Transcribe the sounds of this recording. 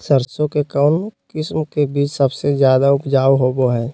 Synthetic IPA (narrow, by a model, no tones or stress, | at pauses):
səɾsõkekɔːnkɪsmkebiːt͡ʃsəbsezjaːd̪aʊpd͡ʒaːwɦoːboɦɛ̃ː